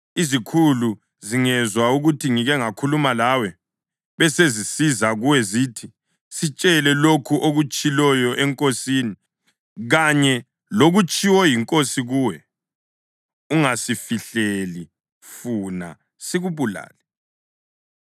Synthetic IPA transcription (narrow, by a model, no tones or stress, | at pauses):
izikʰulu | ziŋɛzwauɣutʰiŋiɣɛŋakʰulumalawɛ | βɛsezisizaɣuwɛzitʰi | sit͡ʃʼɛlɛlokʰuʔoɣut͡ʃʼilɔjɔʔɛŋkʼosiːni | ɣaɲɛ | loɣut͡ʃʼiwɔjiŋkʼosiɣuːwɛ | uŋasifiɬeli | funa̰ | siɣuβula̰ːlɛ